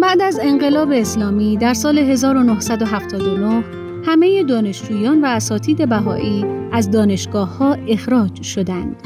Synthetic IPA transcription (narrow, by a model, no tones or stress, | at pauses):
b̥æʔd̪æze̞ŋɢe̞lɒːbe̞ːslɒːmiːd̪æɾsɒːle̞ɦe̞zɒːɾo̞nohsæd̪o̞ɦæft̪ʰɒːd̪ono̞h | hæme̞jed̪ɒːne̞ʃd͡ʒuːjɒːnvæːsɒːt̪ʰiːd̪e̞bæɦɒ̰ːʔiːæzd̪ɒːne̞ʃɡɒːhhːɒːe̞xɾɒːd͡ʒʃo̞d̪ænd̪̥